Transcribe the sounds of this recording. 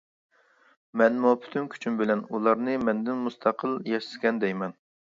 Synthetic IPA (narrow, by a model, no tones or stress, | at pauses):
mɛnmupʰy̥t̪ʰymkʲʰy̥t͡ʃʰymbɪlɛnulˠɑɾnɨmɛnd̪ɪnmust̪ʰɑqʰəlˠjɛʃɪskʲɛnd̪ɛjmɛn